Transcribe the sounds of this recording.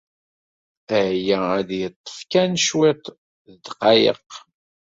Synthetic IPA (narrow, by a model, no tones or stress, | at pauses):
æjææd̪jət̪ˤːə̥fkænʃwɪt̪ˤ | ðəd̪qɑjə̰q